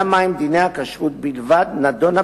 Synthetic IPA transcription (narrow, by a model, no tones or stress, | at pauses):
amajmd̪inejhakaʃʁut̪̚bilvad̪nad̪o̞na